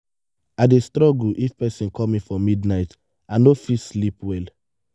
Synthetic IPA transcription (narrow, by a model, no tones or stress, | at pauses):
adestɹɔɡuʔifpɛsĩnkʰɔmĩfɔmidnaɪt | ãnofislipwɛl